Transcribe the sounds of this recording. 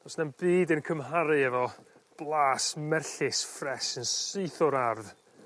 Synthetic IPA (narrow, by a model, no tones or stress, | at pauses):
ɔsnamb̥iːdənkʰəmɦaɾɨɛvɔ | b̥lˠaːsmɛrɬɪsfrɛsənsɨɨθɔɾarð